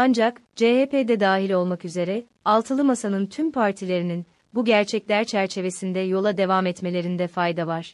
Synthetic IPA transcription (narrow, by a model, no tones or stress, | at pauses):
and͡ʒakd͡ʒeheːpeːd̪ɛd̪aːɦilʲo̞lˠmakyze̞ɾɛ | alˠt̪ʰɯlˠɯmasanɯnt̪ʰympʰaɾt̪ʰilʲe̞ɾinin | buɟæɾt͡ʃʰɛclʲæɾt͡ʃʰæɾt͡ʃʰe̞ve̞sind̪ɛjo̞lˠad̪e̞vamɛt̪me̞lʲe̞ɾind̪ɛfajd̪avaɾ̥